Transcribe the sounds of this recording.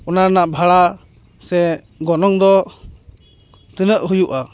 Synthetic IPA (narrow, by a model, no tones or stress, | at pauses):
ɔnanaʔbʱaɽa | sɛ | ɡɔnɔŋd̪ɔ | t̪ɯnəʔɦujuʔa